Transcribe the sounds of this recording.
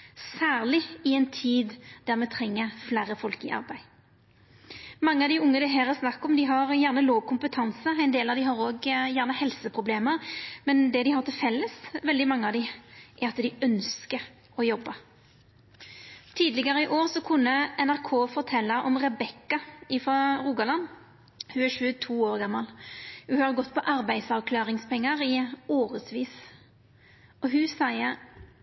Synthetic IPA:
sæːʁlɪɪɛɪnt̪ʰiːd̪d̪̥æʁmɛt̪ʰʁɛŋːəflæːɾəfɔlkɪʔɑ̰ʁbæɪ | mɑŋːəɑʋd̪ɪʊŋːəd̪ɛɦeːʁəsnɑkːɔmd̪ɪɦɑʁjæʁnəloːʋkʰʊmpət̪ʰɑnsəæɪnd̪eːlɑʋd̪ɪɦɑɾoːɡjæːʁnəhɛlsəpʰʁʊbleːməʁmɛnd̪ɛd̪ɪɦɑʁt̪ʰɪlfɛlːəsʋɛld̪ɪmɑŋːəɑʋd̪ɪʔɛɾɑt̪d̪ɪœnskəɾ | ɔjɔbːɑ | t̪ʰiːd̪lɪɡəɾəɪʔoːʁsɔkʰʊnːəʔɛnæʁkʰoːfɔʁt̪ʰɛlːɑʔɔmʁɛbɛkːɑɪfɔɾuːɡɑlɑn | hʉæɾʃʉːət̪ʰuːoːʁɡɑmːɑlhʉhɑɾɡɔt̪ːpʰɔʔɑɾbæɪd̪sɑʋkʰlɑːʁɪŋspɛŋːɑɾɪoːɾəsʋiːs | ɔɦʉsæɪə

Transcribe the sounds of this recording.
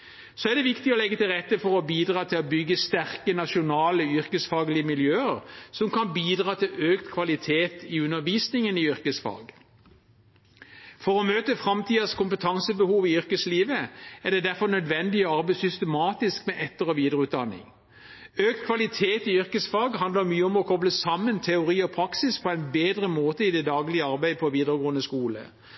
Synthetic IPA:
sɔæʁd̪ɛʋɪkt̪ɪɔlɛɡːət̪ɪlʁɛt̪ːəfɔɾɔbiːd̪ʁɑːt̪ʰɪlɔbʏɡːəst̪æʁkənɑʃʊnɑːləʏʁkəsfɑːɡlɪəmɪljøːəʁsɔmkɑnbiːd̪ʁɑːt̪ʰɪløːkt̪kʰʋɑlɪt̪ʰeːt̪ɪʉnːəʋiːsnɪŋənɪʏɾkəsfɑ̰ːɡ | fɔɾɔmøːt̪əfʁɑmt̪ʰiːɑskʊmpət̪ʰɑŋsəbəhuːʋɪʏʁkəsliːʋəæʁd̪ɛd̪æɾfɔʁnœd̪ʋɛnd̪ɪɔɑʁbæɪsʏst̪ɛmɑːt̪ɪskmɛʔɛt̪ːəʁəʋiːd̪əʁəʉːt̪̚d̪ɑnːɪ̰ŋ | øːk̚t̪̚kʰʋɑlɪt̪ʰeːt̪ɪʏɾkəsfɑɡɦɑnd̪ləʁmyːəɔmɔkʰɔbləsɑmːənt̪ʰɛʊʁiːɔpʰʁɑksɪspʰɔæɪnbeːd̪ʁəmoːt̪əɪd̪ɛd̪ɑːɡlɪəɑɾbæɪpʰɔʋiːd̪əɾəɡoːənəskuːlə̰

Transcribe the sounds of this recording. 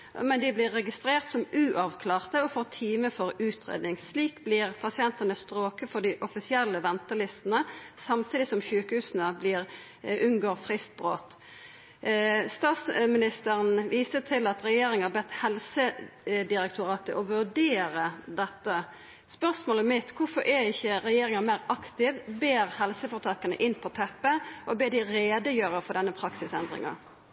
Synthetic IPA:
mɛnd̪ɪblɪːɛɡɪst̪ɾeːʁt̪sɔmʉːʔɑʋkʰlɑːʁt̪əɔfɔʁt̪ʰiːməfɔɾʉːt̪ʰɾḛːd̪nɪŋsliːkblɪʁpʰɑsɪɛnt̪ənəst̪ɾoːkəfɔɖ̪ɪʔɔfɪsɪɛlːəʋɛnt̪əlɪst̪ənəsɑmt̪ʰiːd̪ɪsɔmçʉːkəhʉːsnəblɪʁ | ʔʉnɡoːʁfɾɪst̪̚bʁoːt̪ | st̪ɑːt̪smɪnɪst̪əʁənʋiːsət̪ʰɪlɑt̪ɾɛjeːɾɪŋɑbɛt̪ːhɛlsəd̪ɪɾɛk̚t̪ʰʊɾɑːt̪əʔɔʋʉɖeːɾəd̪ɛt̪ːə | spœʁsmoːləmɪt̪kʊfɔɾʔɛɪçːəɾɛjeːɾɪŋɑmæɪʁɑkt̪ɪʋbeːɾhɛlsəfɔːɾt̪ʰɑːkənə̰ʔɪnpʰɔt̪ʰɛpːəʔɔbeːd̪ɪɾeːd̪əjøːɾəfɔɖ̪ɛnːəpʰɾɑksɪsɛnd̪ɾɪ̰ŋɑ̰

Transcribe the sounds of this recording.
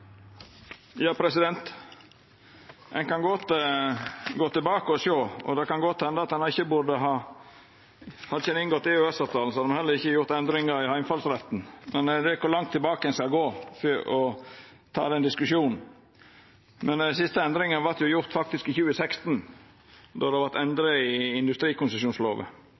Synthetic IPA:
jɑːpʰɾɛsɪd̪ɛnt̪ | ɛ̰nkɑnɡɔt̪ | ɡoːt̪ɪlbɑːkəɔʃoːɔ̰d̪ɛkɑnɡɔt̪ːhɛnd̪əɑt̪̚d̪ɛnɑɾɪçːəbʊd̪əɦɑː | hɑd̪çɛnɪŋɡɔt̪ːɪøɛsɑːʋt̪ʰɑːl̩sɔhɑd̪ɛmhɛlːəɾɪçːəjʊɾt̪ɛnd̪ɾɪŋəɾɪhɑɪmfɑlsɾɛt̪n̩mɛnd̪ɛækʊlɑŋt̪ʰːɪlbɑːkəɛnskɑlɡoːfyʔɔ | t̪ʰɑ̰ːd̪ɛnd̪ɪskʉʃuːnn̩ | mʔɛnsɪst̪əɛnd̪ɾɪŋənʋɑɾt̪jʊjʊɾt̪fɑk̚t̪ɪskɪçʉːəsɛkst̪n | d̪ɔd̪ɛʋɑɾt̪ɛnd̪ɾəɪɪnd̪ʉst̪ɾiːkʊnsəʃjuːnslo̰ːʋə̰

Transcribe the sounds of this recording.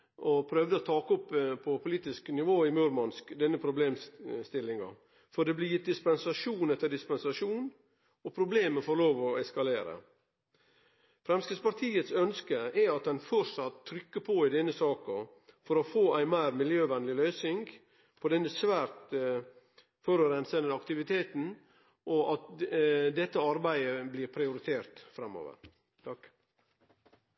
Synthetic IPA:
ʔɔpʰɾœʋd̪əɔt̪ʰɑːkɔpːpʰɔpʰʊliːt̪ɪsknɪʋoːɪmʉɾmɑnskd̪ɛnːəpʰɾʊbleːmst̪ɪlːɪŋɑ̰ | fɔɖ̪ɛblɪjɪt̪̚d̪ɪspɛnsɑʂuːnɛt̪ːəɖɪspɛnsɑʂuːn | ɔpʰɾʊbleːməfɔɾloːʋɔɛskɑleːɾə̰ | fɾɛmskəspɑɾt̪ʰiːət̪sœnskəɛɾɑt̪̚d̪ɛnfɔɾsɑt̪ʰːɾʏkːəpʰoːɪd̪ɛnːəsɑːkɑ | fɔɾɔfoːæɪmæɪɾmɪljøːʋɛnlɪlœːsɪŋɡ | pʰɔd̪ɛnːəsʋæːɾt̪ | fɔɾʉɾɛnsənəɑkt̪ɪʋɪt̪ʰeːt̪n̩ | ʔɔɑt̪d̪ɛt̪ːəɑɾbæɪəbliːɾpʰɾɪʊɾɪt̪ʰeːɾt̪fɾɛmːo̰ːʋə̰ɾ | t̪ʰɑk

